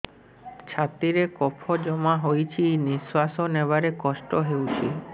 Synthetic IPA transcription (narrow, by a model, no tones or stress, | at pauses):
t͡ʃʰat̪iɾekɔpʰɔd͡ʒɔmaɦojt͡ʃʰiniswasɔneʋaɾekɔsʈɔɦewt͡ʃʰi